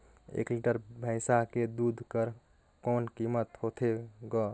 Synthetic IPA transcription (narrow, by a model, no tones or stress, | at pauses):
ḛkliʈəɾbʱə̃ɪsaɦked̪ud̪ʱkəɾ | konkimət̪ɦot̪ʰeɡɔ